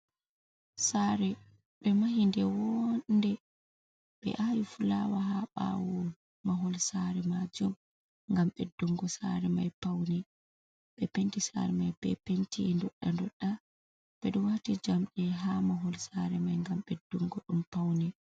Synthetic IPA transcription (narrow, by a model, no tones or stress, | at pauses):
saɾɛ | ɓɛmahindɛwɔndɛ | ɓɛ̰ʔajifulawaɦaɓa̰wɔ | maɦɔlsaɾɛmad͡ʒɔm | ŋɡamɓɛduŋɡɔsa̰ɾɛmajpawnɛ | ɓɛpentisa̰ɾɛmajbɛ̰pentindɔɗːandɔɗːa | b̥ɛɗɔwahtid͡ʒamɗɛɦamaɦɔlsaɾɛmajŋɡamɓɛduŋɡɔɗumpawnɛ